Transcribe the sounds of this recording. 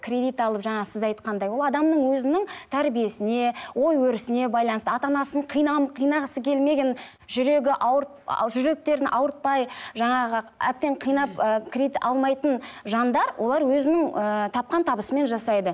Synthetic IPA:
kʲʰrʲe̞d̪ijt̪ɑlˠəpʒɑɴɑʁsɪzɑjt̪̚qɑnd̪ɑjwo̞lˠɑd̪ɑmnəɴwɵzɪnɪŋt̪ʰæɾbije̞sɪne̞wo̞jwɵɾɪsɪne̞bɑjlˠɑnəst̪əɑt̪ɑnɑsəɴqʰijnɑmqʰijnɑʁəsəkʲʰe̞lme̞ɡʲe̞n | ʒʏɾe̞ɡʲɪʔɑwə | ʒʏɾe̞k̚t̪e̞ɾɪnʔɑwəɾt̪̚pɑjʒɑɴɑʁəæ̰p̚t̪e̞ɴqʰijnɑpəkʲʰɾʲeit̪ɑlˠmɑjt̪ənʒɑnd̪ɑɾwʔo̞lˠɑɾwɵzɪnɪŋət̪ʰɑp̚qɑnt̪ʰɑbəsəme̞nʒɑsɑjd̪ə

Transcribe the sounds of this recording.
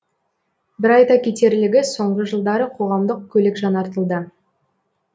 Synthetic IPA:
bɪɾɑjt̪ɑkʲʰet̪e̞ɾlɪɡʲɪso̞ɴʁəʒəlˠd̪ɑɾəqʰo̞ʁɑmd̪əq̚kʲʰɵlɪkʒɑnɑɾt̪əlˠd̪ə

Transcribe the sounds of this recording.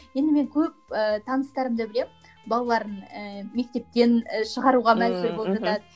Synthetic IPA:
je̞nd̪ɪme̞ŋkʲʰɵp̚ət̪ʰɑnəst̪ɑɾəmd̪əbɪle̞m | bɑlˠɑlˠɑɾənəme̞k̚t̪e̞p̚t̪e̞nʃəʁɑɾuʁɑmæzbɪɾbo̞lˠəpʒɑt̪ɑd̪ə

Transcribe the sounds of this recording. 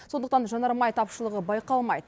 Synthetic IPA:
so̞nd̪əqt̪ɑnʒɑnɑɾmɑjt̪ʰɑpʃəlˠəʁəbɑjqɑlˠmɑjd̪ə

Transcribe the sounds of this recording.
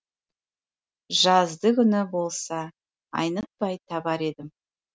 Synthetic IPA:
ʒɑzd̪əkʲʰʏnɪbo̞lˠsɑ | ɑ̰jnət̪̚pɑjt̪ʰɑbɑɾe̞d̪ɪm

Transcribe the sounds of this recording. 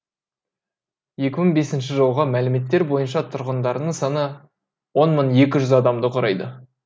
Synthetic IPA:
je̞kʲɪməɴbe̞sɪnʃɪʒəlˠʁəmælɪme̞t̪ːe̞ɾbo̞jənʃɑt̪ʰʊɾʁənd̪ɑɾnəɴsɑnə | wo̞nməɴje̞k̬ʲɪʒʏzɑd̪ɑmd̪əqʰoɾɑjd̪ə

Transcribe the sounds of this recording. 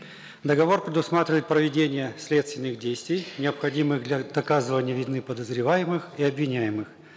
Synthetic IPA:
d̪əɡɐvo̞rpɾʲɪd̪ʊsmat̪ɾʲvəjɪt̪̚pɾəvʲɪdʲenʲɪjəsʲlʲet̪st̪vʲɪnːɨɣdʲejsʲt̪vʲɪjnʲɪəpxɐdʲimɨɣd̪lʲɐd̪ɐkazɨvənʲɪjəvʲɪd̪nːɨpəd̪əzɾʲɪvajɪmɨxiɐbvʲɪnʲæjɪmɨx

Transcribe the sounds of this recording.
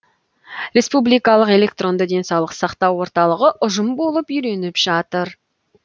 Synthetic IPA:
ɾe̞spublijkɑlˠəqe̞le̞k̚t̪ro̞nd̪əd̪e̞nsɑwlˠəqsɑqt̪ɑwːo̞ɾt̪ɑlˠəʁəʔʊʒəmbo̞lˠəpʏjɾe̞nɪpʒ̥ɑt̪əɾ

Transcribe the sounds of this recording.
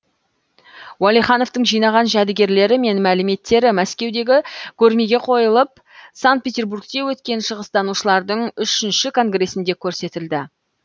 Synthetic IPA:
wɑlˠijχɑno̞ft̪əɴʒijnɑʁɑnʒæd̪ɪɡʲe̞ɾle̞ɾɪme̞nmælɪme̞t̪ːe̞ɾɪmæskʲe̞wd̪e̞ɡʲɪkʲʰɵɾme̞ɡʲe̞qʰo̞jəlˠəp̚ | saŋt̪̚pe̞t̪ʲerburk̚t̪e̞wɵt̪kʲe̞nʃəʁəst̪ɑnuʃəlˠɑɾd̪əɴʏʃɪnʃɪkʰo̞ŋɡre̞sɪnd̪e̞kʲʰɵɾse̞t̪ɪld̪ɪ

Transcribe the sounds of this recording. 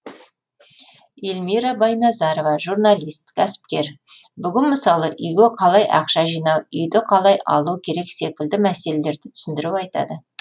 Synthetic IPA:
elmiɾɑbɑjnɑzɑɾovɑʒurnɑlˠist̪kʲʰæsɪ̥p̚kʲe̞ɾbʏɡʲɪnməsɑlˠəʔʏjɡʲeqʰɑlˠɑjʔɑ̰qʃɑʒijnɑwʏjd̪ɪqʰɑlˠɑjʔɑ̰lˠukʲʰe̞ɾe̞kse̞kʲɪld̪ɪmæse̞le̞le̞ɾd̪ɪt̪ʰʏ̥sɪnd̪ɪɾuwɑjt̪ɑ̰d̪ə

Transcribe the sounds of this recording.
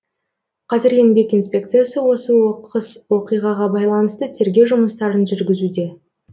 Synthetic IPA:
qʰɑzɪɾe̞nbe̞kijnspʲe̞k̚t̪sɨjasəwo̞səəswo̞qijʁɑʁɑbɑjlˠɑnəst̪ət̪ʰe̞ɾɡʲe̞ʒʊməst̪ɑɾənʒʏɾɡʲɪzud̪e̞

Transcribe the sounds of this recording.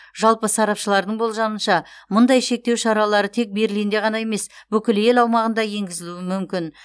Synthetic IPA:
ʒ̥ɑlˠpəsɑɾɑpʃəlˠɑɾd̪əɴbo̞lˠʒɑmənʃɑmʊnd̪ɑjʃe̞k̚t̪e̞wʃɑɾɑlˠɑɾət̪ʰe̞k̚be̞ɾlijnd̪e̞ʁɑnɑje̞me̞sbɵkʲɪle̞lɑwmɑʁənd̪ɑje̞ŋɡʲɪzɪluwɪmʏmkʲɪn

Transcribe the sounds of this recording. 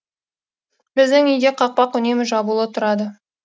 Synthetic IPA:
bɪzd̪ɪŋʏjd̪eqʰɑq̚pɑqʏne̞mɪʒɑbulˠət̪ʰʊɾɑd̪ə

